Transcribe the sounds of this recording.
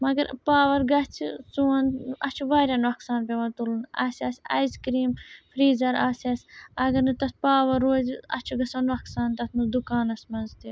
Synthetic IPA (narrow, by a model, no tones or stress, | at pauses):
mɐɡɐɾpaːʋɐɾɡɐt͡sʰisuɐnɐt͡ʃʰuʋaːɾʲɐnʋɐksaːnpʲeʋɐnt̪ulunɐ̰ːsiaːsʲɐ̰jzkɾiːmfʰɾiːzɐɾaːsasʲɐɡɐɾnɨt̪ɐt̪paːʋɐɾoːd͡ʒɐ̰t͡ʃʰuɡɐsɐnʋɐksaːnt̪ɐt̪ʰnud̪ukaːnɐsmɐnzt̪i